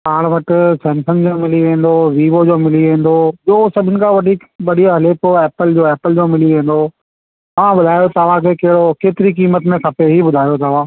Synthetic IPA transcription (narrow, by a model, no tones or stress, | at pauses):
paːɽ̃ʋɐʈɪsɛ̃ːnsə̃nd͡ʑoːmɪliʋẽːn̆d̪oːʋiːʋod͡ʑoːmɪliʋẽːn̆d̪oːʄoːsɐbʱɪnɪ̆kʰãːʋɐʈi | ʋɐɗiaɦɐleːpɛːpəld͡ʑoːɛːpəld͡ʑoːmɪliʋẽːn̆d̪oː | t̪ɐʋ̤ãbʊd̪ʱaːjot̪ɐʋ̤ãkʰeːkɐɦɪɽokeːt̪ɪɾikiːmət̪mẽkʰɐpeɦibʊd̪ʱaːjot̪ɐʋ̤ãː